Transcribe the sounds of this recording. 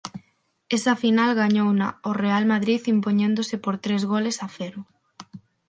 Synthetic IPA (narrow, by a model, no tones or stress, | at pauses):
esɐfinalɣaɲownaorealmaðɾiθimpoɲẽnd̪osɪpoɾt̪ɾezɣolesafeɾʊ